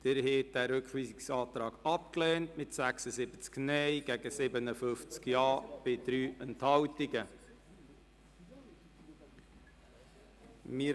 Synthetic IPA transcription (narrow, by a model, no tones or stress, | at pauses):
d̪̥ɪɾheːt̚d̥æːɾøkχʋiːsɪksɑːt̪ɾɑːɡ̥ɑpklɛːntmɪtsæksəzɪbət͡sknɛjɡ̥æɡəsɪbənəfʏft͡skjɑːb̥ɪd̥̪ɾyːʔɛnthɑwtɪɡə | mɪ